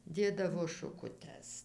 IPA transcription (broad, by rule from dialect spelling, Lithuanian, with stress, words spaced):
ˈdʲeːdɐʋoː ʃʊkʊˈtʲɛs